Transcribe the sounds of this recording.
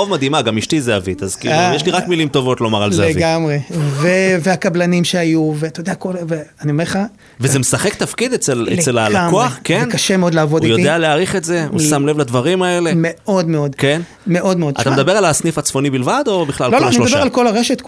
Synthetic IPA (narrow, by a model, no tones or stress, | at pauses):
ovmad̪imaɡamiʃtizeavit̪azkḭːlujeʃliʁakmilimt̪o̞vo̞t̪lomaʁaleaeviɡamʁeveveakablanimʃeajuveat̪ajodeakolveaniomeʁχa | vezemesaχekt̪afkid̪et͡seleselalakoaχkenkaʃemeo̞d̪laːvodujod̪ealeaːʁiχe̞tze̞ṵsamle̞vlad̪vaʁimae̞le̞meʔo̞d̪meod̪ke̞n | me̞ʔo̞d̪meod̪a̰t̪amed̪abe̞ʁalasnifat͡sfo̞nibilvad̪o̞biχlalloaʃelod̪abealko̞laʁeʃet̪